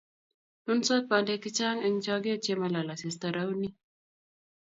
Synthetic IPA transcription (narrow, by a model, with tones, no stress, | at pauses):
nu˦nso˦t̪̚ba˨nde˨˦ki˦t͡ʃa˦ŋɨ˦ŋt͡ʃa˦ɡe˦t͡ʃe˦ma˨la˨la˨se˨st̪ə˨ɾa˦wni˦